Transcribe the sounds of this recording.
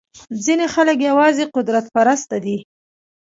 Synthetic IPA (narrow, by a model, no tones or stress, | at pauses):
zinexalək̬jawɑzeqʊd̪ɾat̪paɾast̪ad̪i